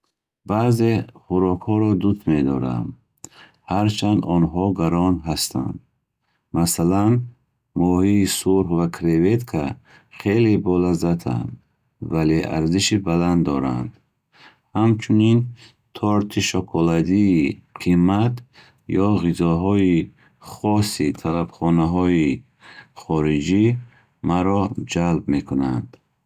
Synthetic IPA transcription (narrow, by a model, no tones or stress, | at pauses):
baze̞χuɾɔkhɔɾɔd̪ust̪med̪ɔ̰ɾa̰m | haɾt͡ʃʰand̪ɔnɦɔɡaɾɔnɦast̪ʰa̰nd̪ | masalan | mɔhiːsuɾhvakʰɾevet̪kʰa | χe̞lebɔlazat̪ʰa̰nd̪ | valeʔa̰ɾziʃibaland̪d̪ɔɾa̰nd̪ | hamt͡ʃʰunin | t̪ʰɔɾt̪ʰiʃɔkʰɔlad̪iːqʰimat̪ | jɔʁizɔɦɔi | χɔsit̪ʰalabχɔnaɦɔi | χɔɾid͡ʒi | maɾɔd͡ʒalbme̞kʰuna̰nd̪